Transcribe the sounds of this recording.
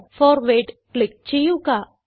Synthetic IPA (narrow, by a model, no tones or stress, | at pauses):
fɔːɾʋeːʈklɪk̚t͡ʃijuka